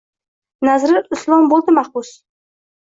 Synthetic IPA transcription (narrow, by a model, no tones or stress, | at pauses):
nazɾɪʊslˠɒmbolˠd̪ɪmahbʊs